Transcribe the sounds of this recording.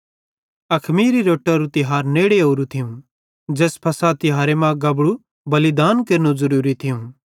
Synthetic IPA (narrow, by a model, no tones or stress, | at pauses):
ɐkʰmiːɾiɾoːʈːaɾũt̪ɪɦaːɾneːɽeɦoːɾut̪ʰɪjũ | d͡ʒɛːspʰɐsat̪ɪɦaːɾemãɡɐbɽu | bɐlɪd̪aːnkeɾnũzɐɾuːɾit̪ʰɪjũ